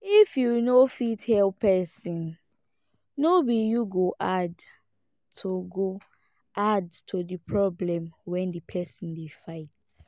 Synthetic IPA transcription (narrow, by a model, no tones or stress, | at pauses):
ifjunofithɛlpɛsɔ̃n | nobijuɡoʔad | tʰuɡo | ʔadtʰudipʰɹɔblɛ̃mwɛ̃ndipʰɛsɔ̃ndefaɪt